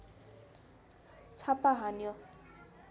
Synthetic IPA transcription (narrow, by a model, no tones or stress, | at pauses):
t͡sʰapaɦanjo